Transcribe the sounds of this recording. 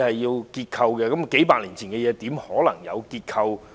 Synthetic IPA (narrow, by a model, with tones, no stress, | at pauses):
hɐ˨jːiː˧wkiː˧t̚kʰɐ˧wkɛː˧kɐ˨˥mke˨˥jpaː˧k̚liː˨˩nt͡sʰiː˨˩nkɛː˧jɛː˨˧t̪iː˨˥mhɔː˨˥lɐ˨˩ŋjɐ̰˨˧wkiː˧t̚kʰɐ˧w